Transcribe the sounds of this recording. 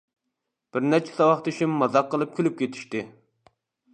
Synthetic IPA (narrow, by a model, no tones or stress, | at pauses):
b̥ɪɾnɛt͡ʃʰɛ̥sɑwɑχt̪ʰeʃimːɑzɑqːəlˠɨp̚kʲʰylyp̚kʲet̪ʰi̥ʃt̪ɪ